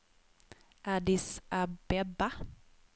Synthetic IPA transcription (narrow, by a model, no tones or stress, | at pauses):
ad̪isabɛba